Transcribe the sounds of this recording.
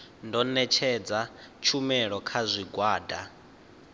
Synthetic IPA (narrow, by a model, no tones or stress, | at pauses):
ndɔnɛt͡ʃʰɛd͡zat͡ʃʰumɛɺɔkʰazʷiɡwaːda